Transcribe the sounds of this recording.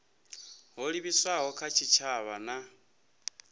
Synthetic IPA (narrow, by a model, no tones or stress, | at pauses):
ɦɔɺiβiswaɦɔkʰat͡ʃʰit͡ʃʰaβana